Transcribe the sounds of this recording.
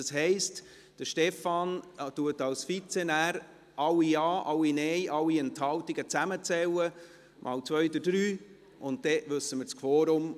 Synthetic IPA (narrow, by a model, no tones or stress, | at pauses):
əsɦɛɪst | d̥əʃtɛfɑntuətɑlsfit͡senæːɾ | ʔɑlːiɑːʔɑlːinɛjʔɑlːiɛnthɑltiɡ̥ət͡sæmət͡sɛwə | mʔɑ̰ːlt͡sʋœjd̪əd̥ɾyː | ʔʊntd̥ɛʋɵsːəmɪɾskʰvoːɾʊm